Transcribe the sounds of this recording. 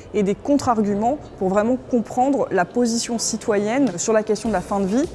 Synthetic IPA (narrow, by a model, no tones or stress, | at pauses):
ed̪ekɔ̃t̪χaʁɡʲymɑ̃puʁvʁɛmɑ̃kɔ̃pχɑ̃d̪ʁlapozisjɔ̃sit̪wajɛnsyʁlakʲɛst̪jɔ̃d̪əlafɛ̃d̪əvi